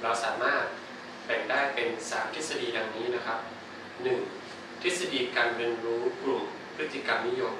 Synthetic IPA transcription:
ɾa˧wsaː˩˦maː˥˩t̪̚ | pɛ˨˩ŋdaː˥˩jpe˧nsaː˩˦mt̪ʰi˦˥sa˧diː˧da˧ŋniː˦˥na˦˥kʰa˦˥p̚ | nɯ˨˩ŋ | t̪ʰi˦˥t̪̚sa˧diː˧kaː˧nɾiː˧ənɾuː˦˥klu˨˩m | pʰɾɯ˦˥t̪ʰːi˧˩ka˧mni˦˥jo˧m

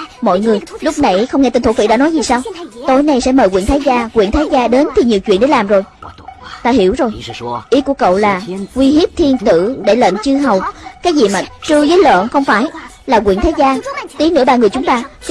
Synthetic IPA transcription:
mɔ̰˧˨jŋɨ˨˩əjlʊ˦˥k͡p̚na˨˩jxə˧wŋ͡mŋɛ˧t̪i˧nt̪ʰo˧˩fḭ˧˥ɗa̰ː˧˥nɔ˨˦jzi˨˩saː˧wt̪o˧˩jna˨˧jsɛ̰˧˥məː˨˩jkwḭ˧˨ənt̪aː˨˦jzaː˧kwḭ˧˨ənt̪ʰaː˨˦jzaː˧ɗe˨˦nt̪ʰi˨˩ɲi˨˩əwt͡ɕwḭ˧ənɗe˧˥laː˨˩mzo˨˩jt̪aː˧ɦi˧˩əwzo˨˩jʔi˨˦ku˧˩əkə̰˧˨wlaː˨˩kwi˧hi˦˥p̚t̪ʰi˧ənt̪ɨ̰˧˨ɗe˧˩lə̰˧˨nt͡ɕɨ˧ɦə˨˩wkaː˨˦jzi˨˩maː˨˩t͡ɕɨ˧zəː˨˦jlə̰ː˧˨nxə˧wŋ͡mfaː˧˩j | laː˨˩kwḭ˧˨nt̪aː˨˦jzaː˧t̪i˨˦nɨ̰˧˥əɓaː˧ŋɨ˨˩əjt͡ɕʊ˨˦ŋ͡mt̪aː˧

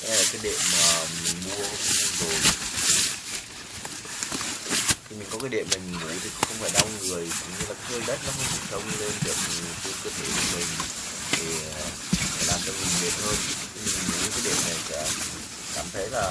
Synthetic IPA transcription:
ʔkaː˨˦jɗḛ˧˨mːaː˨˩mï˨˩ŋ̟mu˧ə˧˦˧ŋzo˨˩j | t̪ʰi˨mï˨˩ŋ̟kɔ˨˦kaː˨˦jɗḛ˧˨mːï˨˩ŋ˨vṵ˧˩t̪ʰḭ˨˩˧ŋ͡mxə˧wŋ͡mfaː˧˩jɗa˧wŋ͡mŋɨ˨˩əjkʊ̰˧˥ŋ͡mɲɨ˧aː˨˩kaː˨˦jəː˧jɗə˦˥k̚nɔ˨˦xə˧˦t̪u˧˩sə˧wŋ͡mle˧nzi˨˩ək̚ki˨˦kəː˧t̪ʰe˧˩ku˧˦mï˨˩ŋ̟ | t̪ʰe˨˩˨ | fa̰ː˧˩laː˨˩mt͡ɕɔ˧wmi˨˩ŋɓe˨˩t̚həː˧nt̪ʰi˨˧˦mi˨˩m˨˩ŋvṵ˧˦kaː˨˦jɗḛ˧˨mna˨˩jsɛa̰ː˧˥ | kaː˧˩mt̪ʰɛ˨˦˥laː˨˩

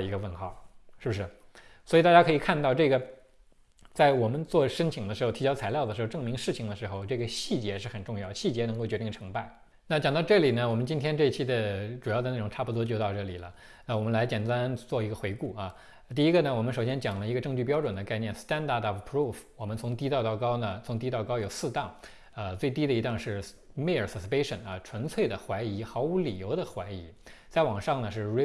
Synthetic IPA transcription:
i˧˥ɡə˧wə˥˧nxɑ˥˩ʊʂɻ̩˥˩u˩ʂɻ̩˥˩ | swɔ˧˥i˨˧t̪a˥˩t͡ɕja˥kʰɤ˧˥i˨˩kʰa˥˧nt̪ɑ˥˧ʊʈ͡ʂɤ˥˩ɡə˩ | t͡sa˥˩ɪwɔ˨˩mə˦nt͡swɔ˥˩ʂə˥nt͡ɕʰi˨˩ŋd̪ə˦ʂɻ̩˧˥xt̪ʰi˧˥jɑ˥ʊt͡sʰa˧˥ɪljɑ˥˩ʊdə˩ɻxʈ͡ʂɤ˥˩ŋmi˧˥ŋʂɻ̩˥˩t͡ɕʰi˨˩ŋd̪ə˧ʂɻ̩˧˥xo˥˧ʊʈ͡ʂɤ˥˩ɡə˩ɕi˥˩t͡ɕjɛ˧˥ʂɻ̩˥˩xə˨˩nʈ͡ʂʊ˥˧ŋjɑ˥˩ʊɕi˥˩t͡ɕjɛ˧˥n˧˥ŋko˥˩t͡ɕɥɛ˧˥t̪i˥˩ŋʈ͡ʂʰɤ˧˥ŋpa˥˩ɪ | na˥˩t͡ɕjɑ˨˩ŋt̪ɑ˥˧ʊʈ͡ʂɤ˥˩li˨˩nə˦wɔ˨˩mə˦nt͡ɕi˥nt̪ʰjɛ˥nʈ͡ʂɤ˥˧i˧t͡ɕʰi˥˩d̪ə˩ʈ͡ʂu˨˩jɑ˥˩d̪ə˩na˥˩ʊ˨˩ŋʈ͡ʂʰa˥˩pu˩t̪wɔ˥t͡ɕjo˥˧ʊt̪ɑ˥˧ʊʈ͡ʂɤ˥˩li˨˩lə̰˦ | na˥˩wɔ˨˩mə˦nla˧˥ɪt͡ɕjɛ˨˩nt̪a˥nt͡swɔ˥˩i˧˥ɡə˧xwe˧˥ɪku˥˩ɐ˧ | t̪i˥˩i˥ɡə˧nə˩wɔ˨˩mə˦nʂo˨˩ʊɕjɛ˥nt͡ɕjɑ˨˩ŋlə˦i˧˥ɡə˧ʈ͡ʂɤ˥˧ŋt͡ɕy˥˩p̬jɑ˥ʊʈ͡ʂwə˨˩nd̪ə˦ka˥˧ɪnjɛ˥˩nst̪a˥nd̪a˥˩d̪ɑ˥˩pʰɹu˥˩fwɔ˨˩mə˦nt͡sʰʊ˧˥ŋt̪i˥t̪ɑ˥˧ʊt̪ɑ˥˩ʊkɑ˥ʊnə˨t͡sʰʊ˧˥ŋt̪̬i˥t̪ɑ˥˧ʊkɑ˥ʊjo˨˩ʊsɹ̩˥˧t̪ɑ˥˩ŋ | ə˧t͡swe˥˩ɪt̪i˥d̪ə˨i˧˥t̪a˥˧ŋʂɻ̩˥˩ | me˥˩ɪə˞˨˩sə˧˩spe˥ɪʂə̰˨˩nɐ̰˧˩ʈ͡ʂʰwə˧˥nt͡sʰwe˥˩ɪd̪ə˩xwa˧˥ɪi˧˥xɑ˧˥ʊu˧˥li˨˩jo˧˥ʊd̪ə˧xwa˧˥ɪi˧˥t͡sa˥˩ɪwɑ˨˩ŋʂɑ˥˩ŋnə˩ʂɻ̩˥˩˥

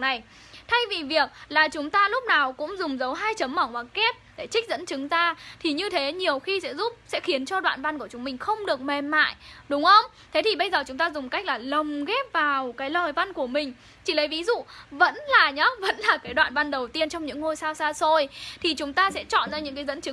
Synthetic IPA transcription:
na˨˩j | t̪ʰa˧jvi˨˩vi˨˩ək̚laː˨˩t͡ɕʊ˨˦ŋ͡mt̪aː˧lʊ˦˥p̚naː˨˩wkʊ̰˧˥ŋ͡mzʊ˨˩ŋ͡mzə˨˦wɦaː˧jt͡ɕə˨˦mːə˧˩ŋkwaː˨˩kɛ˦˥p̚ɗe˧˩t͡ɕï˦˥k̚zə̰˧˥nt͡ɕɨ˨˦ŋzaː˧t̪ʰi˨˩ɲɨ˧t̪ʰe˨˦ɲi˨˩əwxi˧sɛ̰˧˥zu˦˥p̚sɛ̰˧˥xi˨˦ənt͡ɕɔ˧ɗwa̰ː˧˨nva˧nku˧˩ət͡ɕʊ˨˦ŋ͡mmï˨˩ŋ̟xə˧wŋ͡mɗɨ˨˩ək̚me˨˩mma̰ː˧˨jɗʊ˨˦ŋ͡mxə˧wŋ͡m | t̪ʰe˨˦t̪ʰi˨˩ɓə˧jzəː˨˩t͡ɕʊ˨˦ŋ͡mt̪aː˧zʊ˨˩ŋ͡mka˦˥k̟̚laː˨˩lə˨˩wŋ͡mɣɛ˦˥p̚vaː˨˩wkaː˨˦jləː˨˩jva˧nku˧˩əmï˨˩ŋ̟ | t͡ɕi˧˩lə˨˦jvi˨˦zṵ˧˨və̰˧˥nlaː˨˩ɲɔ˨˦və̰˧˥nlaː˨˩kaː˨˦jɗwa̰ː˧˨nva˧nɗə˨˩wt̪i˧ənt͡ɕɔ˧ŋ͡mɲɨ̰˧˥ŋːo˧jsaː˧wsaː˧so˧jt̪ʰi˨˩t͡ɕʊ˨˦ŋ͡mt̪aː˧sɛ̰˧˥t͡ɕɔ̰˧˨nzaː˧ɲɨ̰˧˥kaː˨˦jzə̰˧˥nt͡ɕɨ˨˦

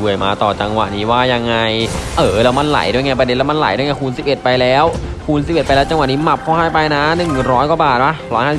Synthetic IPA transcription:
u˨˩əjmaː˧t̪ɔː˨˩t͡ɕa˧ŋwa̰˨˩ʔniː˦˥waː˥˩ja˧ŋːa˧jʔɤː˩lɛː˦˥wma˧˥˩nla̰˨˩˦jdu˥˩əjŋa˧˥˩p̬ɾde˧nlɛ˦˥ma˥nla̰˨˩˦jdu˥˩˨jŋa˧˥˩kʰuː˧nsi˨˩p̚ʔe˨˩t̪̚pa˧jlɛː˦˥wkʰuː˧ns̬i˨˩pʔe˨˩t̪̚pa˧jlɛː˦˥t͡ɕa˧ŋwa˨˩ʔniː˦˥ma˨˩p̚ʰːɔː˥˩haː˥˩jpa˧jna˦˥nɯ˨˩ŋɾɔː˦˥jkɔ˧˩baː˨˩t̪̚ʔa˦˧˥ɾɔː˦˥jhaː˥˩s

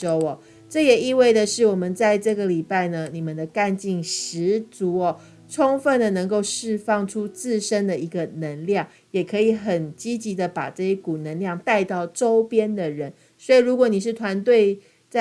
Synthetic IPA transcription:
o˥ʊɔ˨ | ʈ͡ʂɤ˥˩jɛ˨˩i˥˧we˥˩ɪd̪ə˨ʂɻ̩˥˩wɔ˨˩mə˦nt͡sa˥˧ɪʈ͡ʂɤ˥˩ɡə˨˩li˨˩pa˥˩ɪnə˩ni˨˩mə˨nd̪ə˨ka˥˧nt͡ɕi˥˩ŋʂɻ̩˧˥t͡su˨˧˥ɔ˨˩ | ʈ͡ʂʰo˥ŋfə˥˩nd̪ə˨nə˧˥ŋko˥˧ʊʂɻ̩˥˧fɑ˥˩ŋʈ͡ʂʰu˥t͡sɹ̩˥˩ʂə˥nd̪ə˨i˧˥ɡə˨˧nə˧˥ŋljɑ˥˩ŋ | jɛ˨˩kʰɤ˧˥i˨˩xə˨˩nt͡ɕi˥t͡ɕi˧˥d̪ə˨pa̰˨˩ʈ͡ʂɤ˥˧jɛ˥ku˨˩nə˦˥ŋljɑ˥˧ŋt̪a˥˧ɪt̪ɑ˥˩ʊʈ͡ʂo˥ʊpjɛ˥nd̪ə˨ɻə˦n | swɔ˧˥i˨˩ɻu˧˥kwɔ˨˩˦ni˨˩ʂ̬ɻ̩˥˩t̪ʰwa˧˥nt̪we˥˧ɪ | t͡s

